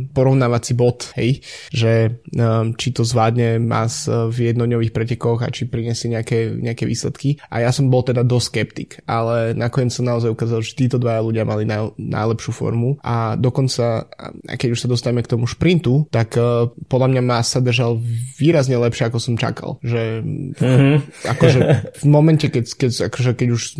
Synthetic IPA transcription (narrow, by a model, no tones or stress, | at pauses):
pɔɾɔʊnaːʋat͡sibɔt̪hɛ̰jʒɛ | t͡ʃit̪ɔzʋaːd̪ɲɛma̰svjɛd̪nɔɲɔʋiːxpɾɛcɛkɔɣa̰t͡ʃipɾiɲɪɛsɪɛɲɛakɛɲɛakɛʋiːslɛt̪kiʔa̰jasɔmbɔlˠt̪ɛd̪ad̪ɔsskɛpt̪ikʔa̰lɛnakɔɲɛt͡ssɔmnaɔzajukaːzalˠʒɛt̪iːt̪ɔd̪ʋajaluɟɪamalinana̰jlɛpʃuːfɔ̰ɾmuʔa̰d̪ɔkɔnt͡sa̰a̰kɛɟuʃsad̪ɔst̪aɛmɛkt̪ɔmuʃpɾint̪ut̪akpɔd̪lamɲamasːad̪r̩ʒalʋiːɾazɲɛlɛpʃɪɛakɔsɔmt͡ʃa̰ka̰lˠʒɛ | a̰kɔʒɛvmɔmɛncɛkɛkɛa̰kɔʒɛkɛɟuʃ